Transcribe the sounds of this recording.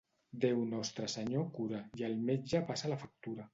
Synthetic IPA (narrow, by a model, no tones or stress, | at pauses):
d̪ewnɔst̪ɾəsəɲokuɾajəlˠmed͡ʒapasalafak̚t̪uɾa